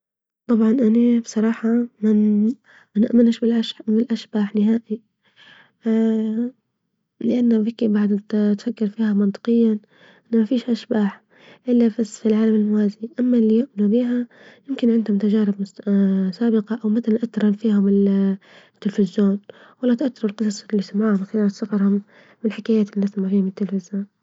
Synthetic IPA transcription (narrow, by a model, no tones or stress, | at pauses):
t̪ˤɑbʕɑnʔanabsˤɑɾˤɑːħɑma | ʔanaʔmanʃbɪlʔaʃbɪlʔaʃb̥aːħnɪɦaːʔi | lɪʔanːabɪkibaʕd̪t̪t̪fakːɪɾfiːhamɑnt̪ˤɨ̥qɨjːa | ʔanːamafiːʃʔaʃbaːħ | ʔɪlːabasːfilʕaːlamɪlmʊwaːziʔamːalːijʊʔmnubiːɦa | jɪmkɪnʕɪnd̪hʊmʊt̪ad͡ʒaːɾɪbmʊssaːbɪqɑʔawmat̪alanʔat̪ːɾˤɑnfiːhʊmɪl | t̪ːɪlfɪzjoːn | walːat̪ʔat̪ːɑɾulqɨs̬ˤɑsˤlːisamaʕhʊmaxalaːnɪsˤɑqɑɾˤhʊmː | ɪlħɪkaːjaːt̪ɪlːiasamaʕfiːhʊmɪt̪ːɪlfɪzjoːn